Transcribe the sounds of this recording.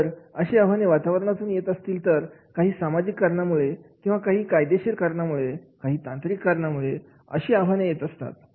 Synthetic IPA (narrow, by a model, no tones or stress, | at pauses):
əɾəɕiːaʋ̤ʱaneʋat̪aʋəɾɳat̪uːnjet̪əst̪iːlt̪əɾkaɦiːsamad͡ʑikːəɾɳamuɭekĩw̃ʋakaɦiːkajd̪eɕiːɾkəɾɳamuɭekaɦiːt̪ãnt̪ɾikːəɾɳamuɭe | ə̰ɕiːabʱanejet̪əst̪a̰t̪̚